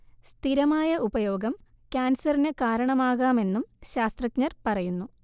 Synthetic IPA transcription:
st̪ʰiɾɐmaːjɐʔubɐjo̞ːɡɐm | kʲaːnsɐrinekaːɾɐɳɐmaːɣaːme̞nːumɕaːst̪rɐkɲɐrpɐrɐjunːu

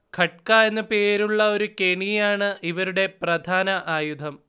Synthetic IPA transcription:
kʰɐʈ̚kaːenːɨpe̞ːɾuɭːɐo̞ɾuke̞ɳijaːɳɨʔiʋɐɾuɽe̞prɐd̪ʱaːnɐʔaːjud̪ʱɐm

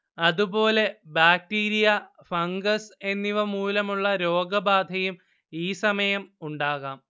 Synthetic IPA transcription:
ɐðubo̞ːle̞baːk̚ʈiːɾijɐ | fɐŋɡɐse̞nːiʋɐmuːlɐmuɭːɐɾo̞ːɡɐbaːd̪ʱɐjum | iːsɐmɐjɐmuɳɖaːɣaːm

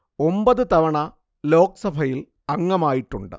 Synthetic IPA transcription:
o̞mbɐðɨt̪ɐʋɐɳɐ | lo̞ːkɐsɐbʱɐjil | ɐŋːɐmaːjiʈːuɳɖɨ̰

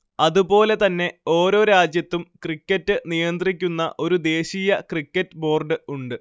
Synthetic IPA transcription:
ɐðupo̞ːle̞t̪ɐnːe̞o̞ːɾo̞ːɾaːd͡ʑjɐt̪ːumkrikʲːɐtːɨnijɐnd̪rik̬ʲːunːɐ̰ʔo̞ɾud̪e̞ːɕiːjɐkrikʲːɐtːɨbo̞ːrɖɨuɳɖɨ

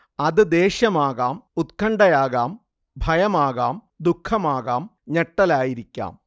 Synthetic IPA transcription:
ɐðɨd̪e̞ːɕɐmaːɣaːmut̪̚kʰɐɳɖɐjaːɣaːm | bʱɐjɐmaːɣaːm | d̪ukʰːɐmaːɣaːmɲeʈːɐlaːjiɾikʲːa̰ːm

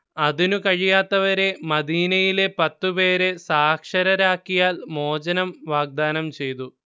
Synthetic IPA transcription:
ɐðinukɐɻijaːt̪ːɐʋɐɾe̞mɐd̪iːnɐjile̞pɐt̪ːupe̞ːɾe̞saːkʂɐɾɐɾaːkːijaːlmo̞ːd͡ʑɐnɐmʋaːɡ̚d̪aːnɐmt͡ɕe̞jt̪̬u

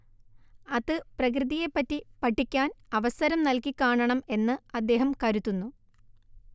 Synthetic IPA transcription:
ɐðɨprɐk̬rɨðije̞pːɐtːipɐʈʰːikʲːaːnɐʋɐsɐɾɐmnɐlkikʲːaːɳɐɳɐme̞nːɨɐd̪ːe̞ːɦɐmkɐɾut̪ːunːu

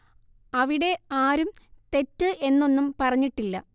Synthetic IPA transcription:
ɐʋiɽe̞aːɾumt̪e̞tːɨʔe̞nːo̞nːumpɐrɐɲːiʈːilːɐ

